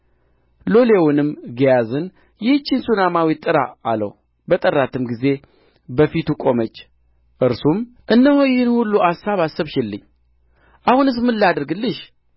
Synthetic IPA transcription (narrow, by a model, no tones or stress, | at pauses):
lo̞le̞wunɨmɡijazɨn | jɪht͡ʃːɪnsunamawit̪ʼːɨɾa̰ːlə̰w | bət̪ʼərːat̪ʰɨmɡize̞ | bəfit̪ukʼo̞mət͡ʃː | ʔɨɾsum | ʔɨnːəhojɪhɨnhulːuasaβasːɨβʃɪlːɨ̰ɲː | ʔahunɨs̬mɨlːad̪ɨɾɡɨlːɨʃ